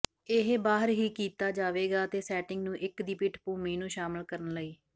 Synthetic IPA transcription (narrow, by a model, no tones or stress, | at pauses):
ɪɦbaːɦəɾɦiːkiːt̪aːd͡ʒaːʋeːɡaːt̪eːsɛːʈɪŋɡnũːʔɪkd̪iːpɪʈʰpuːmiːnũːʃaːməlkəɾənləiː